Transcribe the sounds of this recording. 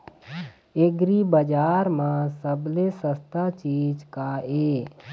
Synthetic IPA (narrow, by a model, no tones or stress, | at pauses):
eɡɾibəd͡ʒaːɾmãːsəblesəst̪aːt͡ʃiːd͡ʒkaeː